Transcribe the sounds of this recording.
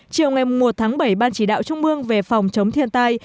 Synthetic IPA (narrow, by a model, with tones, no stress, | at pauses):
t͡ɕi˨˩əwŋa˨˩jmʊ˨˩ŋ͡mmo˨˩t̚t̪ʰaː˨˦ŋɓə˧˩jɓaː˧nt͡ɕi˧˩ɗa̰ː˧˨wt͡ɕʊ˧ŋ͡mmɨ˧əŋve˨˩fa˨˩wŋ͡mt͡ɕə˨˦wŋ͡mt̪ʰi˧ənt̪aː˧j